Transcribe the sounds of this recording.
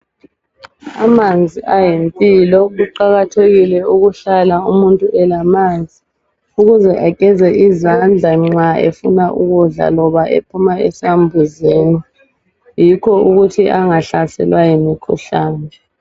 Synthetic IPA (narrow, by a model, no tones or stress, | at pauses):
amand͡zʱiajempʼilɔɣuǃaɣatʰeɣilɛuɣuɬalaumuntʼuʔɛlamand͡zʱi | uɣuzɛʔakʼɛzɛʔizand͡ɮʱaŋ͡ǀaḛfunaʔṵɣuɮa̰lɔβaʔḛpʰumaɛ̰sambʱuzeni | jikʰɔuɣutʰiʔaŋaɬasɛ̰lwajimikʰṵɬaːnɛ